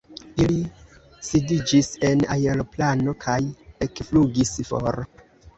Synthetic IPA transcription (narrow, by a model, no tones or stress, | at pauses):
ili | sidid͡ʒise̞na̰jeloplano̞kʰaje̞kfluɡisfo̰ɾ